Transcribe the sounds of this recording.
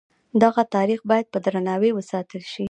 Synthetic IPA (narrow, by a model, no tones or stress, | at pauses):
d̪aɣat̪ɑɾixbɑjad̪̚pəd̪ɾanɑwewəsɑt̪əlʃi